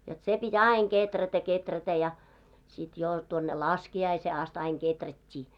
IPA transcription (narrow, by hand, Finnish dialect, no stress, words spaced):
jot se pitʲ ɑiŋ ketrætæ ketrætæ jɑ sit joˑ tuonːe lɑskiɑiseː ɑst ɑiŋ ɡ̊etrætʲːiː